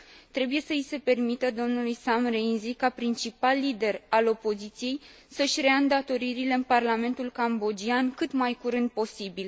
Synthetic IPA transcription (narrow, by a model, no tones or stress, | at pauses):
t̪ɾe̞buje̞səise̞pe̞rmit̪əd̪o̞mnulujsamrenzikapɾint͡ʃipalːid̪e̞ralo̞po̞zit̪sije̞j | səʃʲreand̪at̪o̞ɾiɾileɨnparlame̞nt̪ulkambo̞d͡ʒiankɨt̪majkuɾɨnd̪̚po̞sibil